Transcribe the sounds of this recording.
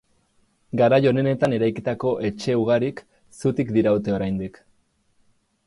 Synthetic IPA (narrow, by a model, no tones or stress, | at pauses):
ɡaɾajo̞ne̞ne̞t̪ane̞ɾajkit̪ako̞ʔe̞t͡ʃe̞uɣ̞aɾik | sut̪ikd̪iɾaut̪e̞o̞ɾajnd̪ik